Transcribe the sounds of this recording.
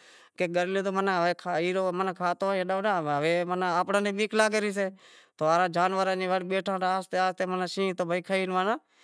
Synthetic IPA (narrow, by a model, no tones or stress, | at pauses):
keːɡəɾlẽːt̪oːmənaːɦʋeːkʰaːiːɾoːmənːkʰaːt̪oːeɗaːnaɦəʋeːmənaaːpnãːnẽːɓiːklaːkeɾiːs̬eːt̪oːaːɾãːd͡ʒaːnʋəɾãːnẽːʋəɽɓeːʈʰãːaːst̪eːaːst̪eːmənaːʃĩːt̪oːbʱəiːkʰəiːnʋaːnaː